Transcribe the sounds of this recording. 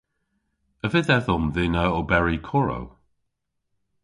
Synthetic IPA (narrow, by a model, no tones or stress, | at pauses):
əvɪðɛðɔmðɪnəobɛɹikʰɔɹo̰w